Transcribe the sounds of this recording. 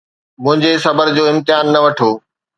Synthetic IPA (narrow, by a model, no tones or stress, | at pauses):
mʊ̃ɦɪ̃ɲd͡ʑesɐbəɾd͡ʑoːɪ̃mt̪ɪjaːnːɐʋɐʈʰoː